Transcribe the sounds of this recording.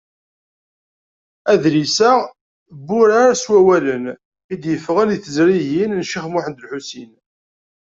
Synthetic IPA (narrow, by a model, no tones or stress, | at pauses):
æðlisæ | bːʊɾaɾæswæwælən | id̪jəfːəʁænjθəzɾiʝinnʃiχmʊħənd̪əlħusin